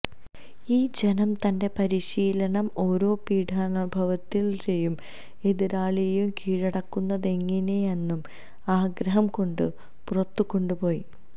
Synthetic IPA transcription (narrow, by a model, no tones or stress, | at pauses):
iːd͡ʑe̞nɐmt̪ɐnde̞pɐɾiɕiːlɐnɐmo̞ːɾo̞ːpiːɖʱaːɳɐbʱɐʋɐt̪ːilt͡ɕejum | e̞ðiɾaːɭijjumkʰiːɻɐɽɐkːunːɐðe̞ŋːinejenːum | aːɡɾɐɦɐmko̞ɳɖɨ | purɐt̪ːukːo̞ɳɖupo̞ːj